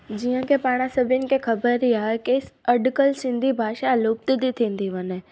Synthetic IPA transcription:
d͡ʑiːə̃kʰepaːɽ̃asɐbʱɪnɪ̆kʰexɐbəɾiaːɦekesɐɖkəlsɪ̃nd̪ʱibʱaːʃalʊːp̚t̪d̪it̪ʰĩːnd̪iʋəne

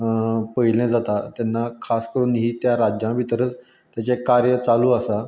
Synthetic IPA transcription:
pəilẽd͡zat̪at̪janːakʰaskəɾuːnɦiːt̪jaɾad͡ʑjãʋit̪əɾət͡s | t̪jat͡ɕekaɾjət͡saluːasa

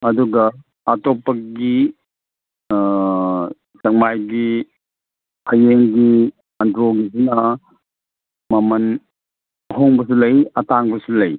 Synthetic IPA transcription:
ɐduɡɐː | topːɐɡi | sɐk̚majɡi | hɐjeŋɡi | ɐndɾoɡisinɐ | mɐmɐn | ɦoŋbɐsulɐjɐtaŋbɐsulɐj

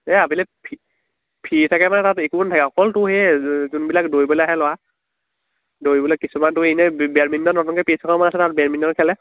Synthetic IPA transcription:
ɛabilɛpʰi | pʰitʰakɛmanɛtatekubɔntʰakɛɔkɔltʊhezunbilakdojbɔlɛaɦɛlɔwa | dojbɔlɛkisumantʊenɛbɛɹmindɔnɔtɔnkɛpisʰakɔmanasɛtat̚bɛɹmindɔkʰɛlɛ

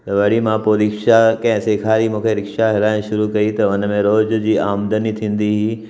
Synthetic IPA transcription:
t̪ɐʋɐɽimãpoːɾɪkʃakɐ̃ɦɪ̃seːkʰaːɾimũːkʰeɾɪkʃaɦɪlaːɪ̃ʃʊɾukɐit̪ɐʊnmẽɾoːd͡ʑd͡ʑiːaːmd̪ənit̪ʰĩːn̆d̪iɦiː

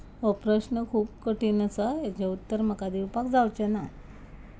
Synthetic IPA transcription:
ʋəpɾəɕnəkʰuːpkəʈinəsəɦjat͡ɕaut̪ːəɾm̤əkad̪iwpakd͡zawt͡ɕena

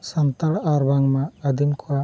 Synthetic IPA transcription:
sant̪aɽaɾbaŋmaːd̪imkʰɔwa

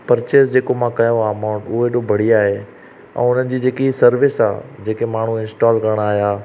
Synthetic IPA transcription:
pɐɾt͡ɕeːsd͡ʑeːkomãkɐjõaːɐmaʊ̃ɳʈʊɦeʈobʱɐɽ̤iaːɦe | ɛ̰̃ːʊn̤ənɪ̆d͡ʑiːd͡ʑeːkiisɐɾʋɪsa̰ːd͡ʑeːkemaːɳ̤ũɪ̃nsʈaːlkɐɾəɽ̃aːɦijaː

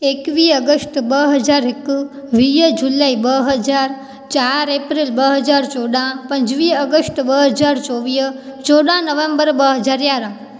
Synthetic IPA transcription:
ekʋiəɡəsʈbəɦəd͡ʒaɾek | ʋijəd͡ʒulaibəɦəd͡ʒaɾ | t͡ʃaɾepɾilbəɦəd͡ʒaɾt͡ʃoɽãpə̃ɲd͡ʒʋiəɡəsʈbəɦəd͡ʒaɾt͡ʃoʋit͡ʃoɽãnəʋẽmbəɾbəɦəd͡ʒaɾjaɾã

